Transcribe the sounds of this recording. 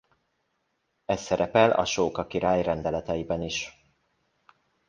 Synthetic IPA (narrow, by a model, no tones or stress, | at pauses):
ɛsːɛɾɛpɛlɒ̰ʃoːkɒkiɾaːjrɛnd̪ɛlɛt̪ɛjibɛniʃ